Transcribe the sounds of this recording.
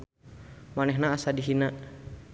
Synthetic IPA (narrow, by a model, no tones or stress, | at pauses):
manɛɦnaːsadiɦinaʔ